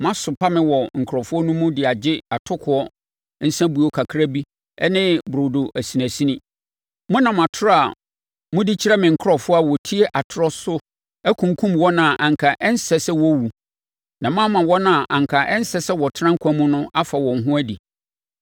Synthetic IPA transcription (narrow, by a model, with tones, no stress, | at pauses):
mã˦sʊ˨pʰa˦mɪ̃˦wɔ˨ŋ̩˨kʰɾɔ˨fʊ˦ɔ˦nʊ̃˦mʊ̃˦dɪ˨a˨d͡ʑɪ˦a˨tʰʊ˦kʰʊ˨˦ɔ˦ | n̩˦sã˦bu˨˦ɔ˦kʰa˨kʰɾa˦bi˦ | ɛ̰˦nɪ̃˦bɾo˨do˨ʔæ˨si˨næ̃˨si˦nĩ˦ | mʊ̃˦nã˨mã˨tʰʊ˦ɾa˨ | mʊ̃˦dɪ˦t͡ɕʰɪ˦ɾɛ˦mɪ̃˨ŋ̩˨kʰʊ˦ɾɔ˨fʊ˦a˦wɔ˨tʰi˦e˦ʔa˨tʰɾɔ˦sʊ˦ | æ˦kʰũ˨ŋ˨kʰũ˦mwɔ˦nã˨ʔã˨ŋ˨kʰa˨ʔɛ˦n̩˦sɛ˦sɛ˦wɔ˦wu˨ | nã˨mã˦mã˨wɔ˦nã˦˨ʔã˨ŋ˨kʰa˨ʔɛ˦n̩˦sɛ˨sɛ˦wɔ˨tʰɾã˦ŋ̩˦kʷʰa˨˦mʊ̃˦nʊ̃˦ʔa˦fa˨wɔ̃˨ŋ˦ɦʊ̃˦æ˦di˨